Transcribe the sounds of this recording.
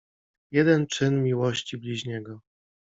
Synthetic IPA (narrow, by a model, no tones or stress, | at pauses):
jɛd̪ɛnt͡ʂɘnmʲiwɔɕt͡ɕiblʲiʑɲɛɡɔ